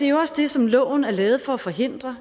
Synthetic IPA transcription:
e̝æjo̝ɒ̽sd̥e̝sɒ̽mlɔ̰ːʊ̰n̩æɐlɛːð̞̩ˠfɒ̽æfɒ̽ɦe̝n̰d̥ʁɐ

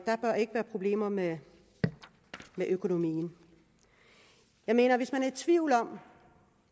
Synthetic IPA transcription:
d̥ɑ̈b̥ɶɐe̝ɡ̥əʋæːɐpʰʁo̝b̥le̝̰ːmɐme | meʔøkʰo̝no̝mḭːn̩ | jɑ̈ɪme̝̰ːnɐʋe̝smænæɐed̥̚t͡sʰʋiʊ̰lɒ̽m

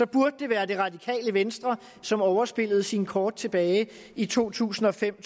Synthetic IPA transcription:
sɒ̽b̥uɐd̥̚ːe̝ʋæːɐd̥e̝ʁɑ̈dikʰɛ̰ːləʋensd̥ʁɐ | sɒ̽mɒʊɐsb̥e̝l̰ð̞̩ˠsinkʰɒːd̥̚t͡sʰe̝b̥ɛːɪ | it͡sʰo̝̰ːt͡sʰṵːsn̩ɒ̽fem̰

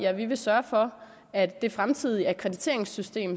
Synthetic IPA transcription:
æʋiʋe̝sɶɐfɒ̽ | æd̥ːe̝fʁamt͡sʰið̞̰ˠiæɐkʰʁɛd̥it͡sʰe̝̰ɐ̰eŋsysd̥e̝̰ːm

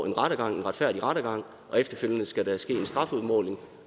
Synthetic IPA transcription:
e̝nʁɑ̈ɾəɡ̥ɑ̈ŋ̰e̝nʁɑ̈d̥fæɐ̰d̥iʁɑ̈ɾ̥ɐɡ̥ɑ̈ŋ̰ | ʔɒ̽efd̥ɐfølənəsɡ̥æɾæsɡ̥e̝̰ːensd̥ʁɑ̈fuðˠmɔːle̝ŋ

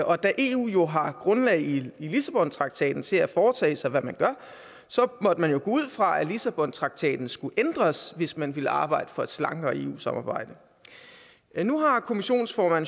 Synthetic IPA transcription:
ɒ̽d̥æʔe̝ṵːjo̝ɦɑ̈ɡ̥ʁɔ̽nlɛ̰ɪilisæb̥ɒ̽nt͡sʰʁɑ̈ɡ̥̚t͡sʰɛ̰ːd̥n̩t͡sʰe̝læfɒːt͡sʰɛ̰ːɪsɑ̈ɪʋæmænɡ̥ɶɐ | sɒ̽mɒ̽d̥əmænjo̝ɡ̥o̰ːuð̰ˠfʁɑ̈ælisæb̥ɒ̽nt͡sʰʁɑ̈ɡ̥̚t͡sʰɛ̰ːd̥n̩sɡ̥uʔend̥ʁɐsʋe̝smænʋiləɑ̈ːb̥ɑ̈ɪ̰d̥əfɒ̽e̝d̥slɑ̈ŋɡ̥ɐːe̝̰ːṵːsɑ̈mɑ̈ːb̥ɑ̈ɪ̰d̥ə | nuɦɑ̈kʰo̝miɕo̝̰ːnsfɒmæn

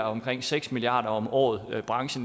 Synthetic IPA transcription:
ɐɒ̽mkʰʁeŋ̰seɡ̥smiliɑ̰̈ːd̥ɐɒ̽mɒ̰ːð̞̩ˠb̥ʁɑ̈ŋɕn̩

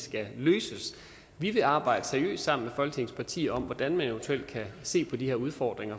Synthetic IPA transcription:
sɡ̥æløːsəs | ʋiʋe̝ɑ̈ːb̥ɑ̈ɪ̰d̥əseɐiø̰ːsd̥sɑ̈m̰n̩mefɒ̽lɡ̥ə̥e̝ŋspʰɑ̈t͡sʰḭːɐɒ̽m̰ʋɒd̥ænmæneʊnt͡sʰuel̰d̥̚kʰæse̝̰ːpʰɒ̽d̥iheɐuðˠfɒːd̥ʁeŋɐ

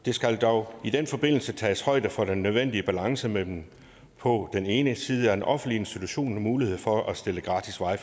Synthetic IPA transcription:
d̥e̝sɡ̥æld̥ɒʊid̥enfɒ̽b̥e̝n̰l̩sət͡sʰɛ̰ːshɒ̽ɪ̰d̥əfɒ̽ɾ̥enːøð̞ˠʋen̰d̥iəb̥ælɑ̈ŋsəmed̥em | pʰɒ̽d̥ene̝ːnəsiːð̞ˠəæɐ̥enʔɒ̽fn̩dlie̝nsd̥it͡sʰuɕo̝̰ːnmuːlihe̝ð̞̰ˠfɒ̽ʔæsd̥e̝ləɡ̥ʁɑ̈ːd̥isʋɑ̈ɪ

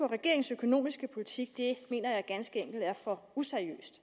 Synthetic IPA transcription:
ɒ̽ʁɛɡ̥e̝ɐ̰eŋ̩søkʰo̝no̝̰ːmisɡ̥əpʰo̝lit͡sʰiɡ̥̚d̥e̝me̝̰ːnɐjɑ̈ɪɡ̥ænsɡ̥əeŋ̰ɡ̥l̩d̥æɐfɒ̽useɐiø̰ːsd̥

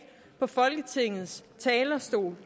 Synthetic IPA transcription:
pʰɒ̽fɒ̽lɡ̥ət͡sʰe̝ŋ̰ð̩ˠst͡sʰɛːlɐsd̥o̝̰ːl

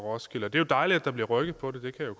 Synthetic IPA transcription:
ʁɒsɡ̥elɐd̥e̝jo̝d̥ɑ̈ɪliæd̥ɑ̈b̥liɐʁœɡ̥ð̩ˠpʰɒ̽d̥e̝d̥e̝kʰæjokʰ

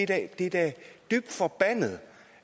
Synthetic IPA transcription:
ed̥æd̥e̝d̥æɐd̥yb̥̚d̥fɒb̥æn̰ð̩ˠ

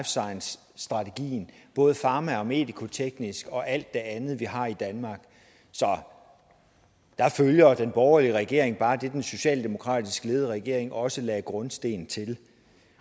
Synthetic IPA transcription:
fsɑ̈ɪnsː | d̥ʁɑ̈t͡sʰe̝ɡ̥ḭːn̩b̥ɔ̽ːð̞̩ˠəfɑ̈ːmæɒ̽me̝̰ːd̥ikʰo̝t͡sʰeɡ̥nisɡ̥ɒ̽ʔæl̰d̥ːe̝ænð̞̩ˠʋiɦɑ̈id̥ænmɑ̈ːɡ̥ | sɒ̽ | d̥ɑ̈føljɐd̥enb̥ɒʊɐliəʁɛɡ̥e̝ɐ̰e̝ŋb̥ɑ̈ːd̥e̝d̥enso̝ɕɛ̰ːld̥e̝mo̝kʰʁɑ̰̈ːd̥isɡ̥əle̝ːð̞ˠʁɛɡ̥e̝ɐ̰e̝ŋʔɒ̽səlɛːɡ̥ʁɔ̽nsd̥e̝̰ːn̩t͡sʰe̝l

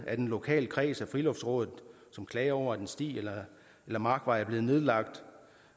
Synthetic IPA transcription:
ʔæd̥enlo̝kʰɛ̰ːləkʰʁɛ̰ːsæfʁilɔ̽fd̥sʁɔ̽ːðˠð̩ˠ | sɒ̽mkʰlɛɪɐɒʊ̰ɐæd̥ensd̥ḭːelɐ | elɐmɑ̈ːɡ̥ʋɑ̈ɪæɐb̥le̝ːð̩ˠne̝ð̞ˠlɑ̈ɡ̥̚d̥

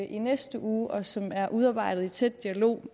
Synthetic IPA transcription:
ʔinesd̥əʔuːʔɒ̽sɒ̽mæɐʔuð̞ˠɑ̈ːb̥ɑ̈ɪ̰dɾ̥ð̩ˠit͡sʰed̥ːiælo̝̰ː

